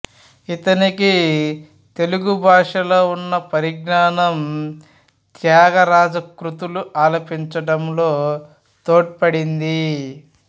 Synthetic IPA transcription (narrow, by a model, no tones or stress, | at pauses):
it̪ɐniki | t̪e̞luɡubʱaːʂɐloːunːɐpɐɾiɡɳaːnɐm | t̪jaːɡɐɾaːd͡ʒɐkɾut̪uluʔaːlɐpiɲt͡ʃɐɽɐmlo̞ː | t̪oːʈ̚pɐɽind̪i